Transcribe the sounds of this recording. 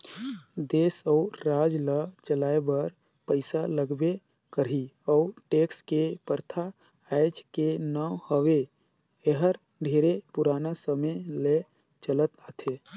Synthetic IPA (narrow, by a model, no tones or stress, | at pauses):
d̪eːsəʊɾaːd͡ʒlət͡ʃəlaːebəɾ | pəɪsaləɡbe | kəɾɦiɔʊʈekskepəɾt̪ʰa | ajd͡ʒkenəhəwe | eɦəɾ | ɖʱeɾepuɾaːnasəməjle | t͡ʃələt̪at̪ʰe